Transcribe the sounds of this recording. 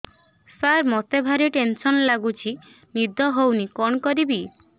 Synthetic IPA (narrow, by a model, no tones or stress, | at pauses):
saɾmɔt̪ebʱaɾiʈensɔnlaɡut͡ʃʰi | nid̪ʱɔɦownikɔɳkɔɾibi